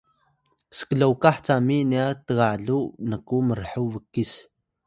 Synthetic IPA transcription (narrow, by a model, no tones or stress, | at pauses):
sə̥kəɮowkaħt͡saminiat̪əɣaɮunəkuməɾħuvəkːis